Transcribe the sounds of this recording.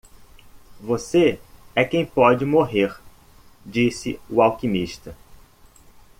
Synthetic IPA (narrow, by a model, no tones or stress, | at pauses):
voseɛkẽj̃pɔd͡ʒɪmoɦeɾ | d͡ʒisɪ̰uawkĩmiʃt̪ɐ